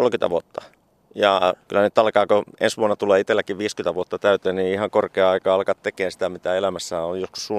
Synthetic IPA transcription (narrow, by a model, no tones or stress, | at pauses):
olkynt̪æ̰ʋuot̪ːɑ̥ | jɑkylːænyt̪ːɑlkɑːkoḛnsʋuonːɑt̪uleːit̪elːækiʋʋiːskynt̪æʋuot̪ːɑt̪æyt̪eːnniihɑŋkorkeɑɑikɑːɑlkɑt̪t̪ekeːnsi̥t̪æmit̪æelæmæsːææojosku̥ssu